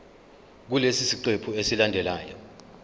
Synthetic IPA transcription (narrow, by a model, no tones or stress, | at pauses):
k̬ulesisiǀepʰuesilandʱɛla̰ːjɔ